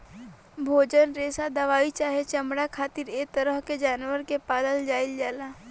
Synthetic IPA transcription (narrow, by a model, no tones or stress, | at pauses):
bʱoːd͡ʒənɾeːsad̪ɐʋaːit͡ʃaːɦet͡ʃəmɽakʰaːt̪ɪɾeːk̚t̪əɾəɦked͡ʒaːnwəɾkepaːd̪əld͡ʒaːɪld͡ʒaːlaː